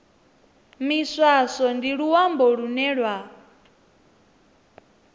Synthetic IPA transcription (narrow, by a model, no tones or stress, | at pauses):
miswasɔndiɺuwambɔɺunɛɺwa